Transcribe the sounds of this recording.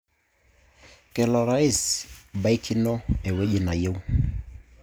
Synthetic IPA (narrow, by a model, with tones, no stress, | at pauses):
kɛ˨lɔ˨ɾa˦i˦˨sba˦i˦ki˦nɔ˦ɛ˨we˦ʄi˨na˨je˦u˦